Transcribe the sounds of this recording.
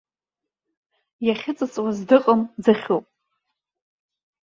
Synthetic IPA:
jaχʲɪt͡sʼɨt͡sʼwazdɨqʼəmd͡zaχʲopʼ

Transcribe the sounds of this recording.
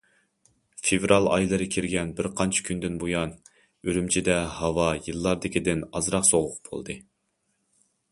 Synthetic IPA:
fevɾɑlˠɑ̰jlˠɨɾɨkʲʰiɾɡʲɛnbɪɾqʰɑnt͡ʃʰɪ̥kʲʰynd̪ɪnbojɑn | øɾymt͡ʃʰid̪ɛhɑwɑjɨlˠːɑɾd̪ɪkʲid̪ɪnɑzɾɑqsoʁʊq̚b̥ʰo̰lˠd̪ɨ

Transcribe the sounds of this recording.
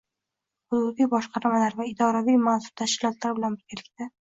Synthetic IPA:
hʊd̪ʊbijbɒʃqɑɾmalaɾvaɪd̪ɒɾavijmansʊ̥ɾ̚t̪ʰaʃkʲɪlɒt̪laɾɪbɪlanbɪɾɡʲalɪkʲt̪a

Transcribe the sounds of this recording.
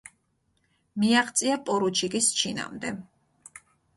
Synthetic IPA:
miaχt̪sʼiapʼɔɾut͡ʃʰiɡist͡ʃʰina̰md̪ɛ

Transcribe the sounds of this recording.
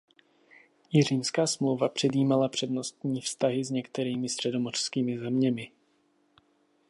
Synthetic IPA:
jɪr̝iːmskaːsmlowvapr̝̥ɛdjiːmalapr̝̥ɛdno̞st̪ɲiːfst̪aɦɪzɲɛkt̪ɛɾiːmɪst̪r̥ɛdo̞mor̥skiːmɪzɛmɲɛmɪ

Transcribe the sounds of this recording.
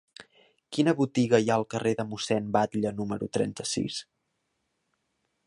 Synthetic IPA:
kinəβut̪iɣəjaəlˠkəreðəmusɛnbat̪ʎənuməɾut̪ɾɛ̰nt̪əsḭs

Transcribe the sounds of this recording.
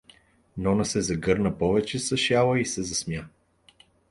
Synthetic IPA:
nɔnəsɛzɐɡɤɾnəpɔvɛt͡ʃɛsɐʃjalˠəisɛzɐsmja

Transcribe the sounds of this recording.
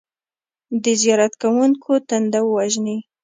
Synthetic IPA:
d̪əzijɑɾat̪kawuŋkʰot̪and̪awwaʒni

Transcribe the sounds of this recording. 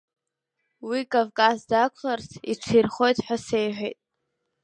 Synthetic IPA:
wikʼovkʼasdakʷʰlarsiʈ͡ʂʷʰirχo̞jtʰʼħʷᶣasejħʷᶣejtʼ

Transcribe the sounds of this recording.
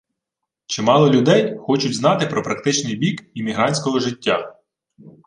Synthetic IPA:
t͡ʃɪmɑlˠɔlʲʊd̪ɛjxɔt͡ʃʊdʲzn̪ɑt̪ɪpɾʔɔpɾɐk̚t̪ɪt͡ʃnɪjbʲikimʲiɦɾɑnʲsʲkɔɦɔʒɪtʲːa

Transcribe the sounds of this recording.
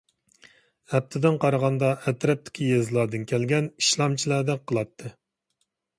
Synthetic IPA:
ɛp̚t̪ʰɪd̪ɪnqʰɑɾəʁɑnd̪ɑɛt̪ɾɛp̚t̪ʰɪ̥kʲʰijezlˠɑːd̪ɨnkʲʰɛlɡʲɛni̥ʃlˠɑmt͡ʃʰilˠæɾd̪ɛk̚qʰəlˠɑt̪ʰːɨ

